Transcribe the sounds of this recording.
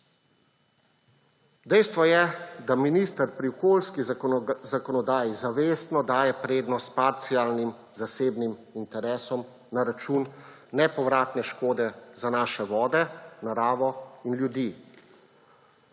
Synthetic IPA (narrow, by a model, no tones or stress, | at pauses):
d̪ɛjst̪ʋɔjɛd̪aminist̪əɾpɾiɔkoːlskizakɔnɔd̪aːjizaʋeːst̪nɔd̪aːjɛpɾeːd̪nɔst̪̚paɾt̪siaːlnim | zaseːbnimint̪ɛɾɛːsɔm | naɾat͡ʃuːnː | ɛpɔʋɾaːt̪nɛʃkoːd̪ɛzanaːʃɛʋɔːd̪ɛnaɾaːʋɔinljud̪iː